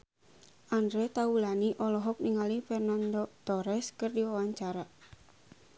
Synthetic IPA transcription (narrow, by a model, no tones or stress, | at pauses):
ʔandɾɛt̪aulaniʔɔlɔɦɔk̚niŋalifɛrnandot̪ɔɾɛskɨrdiwawaɲt͡ʃaɾa